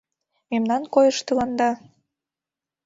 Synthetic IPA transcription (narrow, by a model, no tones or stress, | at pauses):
memnɑnkojəʃt̪əlɑnd̪ɑ